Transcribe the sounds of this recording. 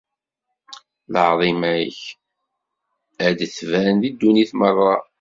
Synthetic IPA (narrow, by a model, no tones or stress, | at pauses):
ləʕðˤimæjə̰ç | æd̪θvænðid̪ːuniθmərˤːɑ